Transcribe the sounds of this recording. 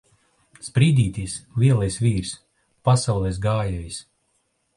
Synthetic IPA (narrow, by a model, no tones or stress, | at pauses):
spɾiːd̪iːt̪ʲijslʲiɛlˠajsviːɾs | pasawlˠɛs̬ɡaːjɛjs